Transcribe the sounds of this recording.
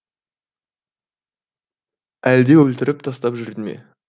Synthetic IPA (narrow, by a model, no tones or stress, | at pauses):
æld̪e̞wɵlt̪ɪɾʔɪp̚t̪ʰɑst̪ɑpʒʏɾd̪ɪmḛ